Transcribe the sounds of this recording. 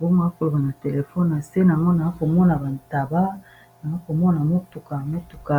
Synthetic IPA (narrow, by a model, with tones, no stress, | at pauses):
bo˦ŋ˦˨a˦ko˨lo˨ba˨na˨te˨le˨fɔ˦n˨na˨se˦na˨ŋɡo˦na˨a˦ko˨mɔ˦na˨ba˨nta˨ba˦ | na˨a˦ko˨mɔ˦na˨mo˦tu˨ka˨mo˦tu̥˨ka˨